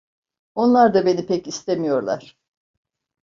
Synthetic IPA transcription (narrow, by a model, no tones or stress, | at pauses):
o̞nlˠaɾd̪abe̞nipʰɛcist̪ʰemijo̞ɾlˠa̰ɾ̥